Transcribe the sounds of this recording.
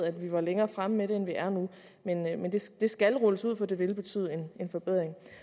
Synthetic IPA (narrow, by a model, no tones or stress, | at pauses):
æd̥ʋiʋɑ̈leŋɐːfʁaməmeɾe̝enʋiʔæɐnu | menmend̥e̝sd̥e̝sɡ̥ælʁɔləsuð̰ˠfɒ̽d̥e̝ʋe̝lb̥e̝t͡sʰy̰ːð̞̩ˠe̝ne̝nfɒ̽b̥eð̞̰ˠʁeŋ